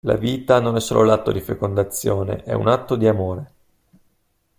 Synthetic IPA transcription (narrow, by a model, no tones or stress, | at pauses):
la̰viːt̪anonɛsːoːlolat̪ːod̪ifekond̪at̪sːjoːnḛʔɛ̰ṵnat̪ːod̪iamoːɾe